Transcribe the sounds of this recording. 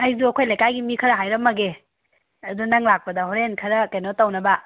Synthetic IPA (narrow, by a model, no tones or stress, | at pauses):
hajzuɐkʰojlajkajɡimikʰɐɾɐɦajɾɐmːɐɡe | ɐdunaŋlak̚pɐdɐɦoɾenkʰɐɾɐkajnotɐwnɐbɐ